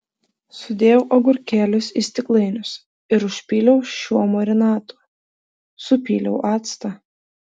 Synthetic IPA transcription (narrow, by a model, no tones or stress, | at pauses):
sʊd̪ʲeːjɛʊʔɐɡʊɾʲkʲæːlʲʊsisʲt̪ʲɪklˠɐɪnʲʊs | ɪɾʊʃʲpʲiːlʲɛʊʃʲuɔmɔɾʲɛnɑːt̪u̥ː | sʊpʲiːlʲɛʊʔɑːt̪st̪ɐ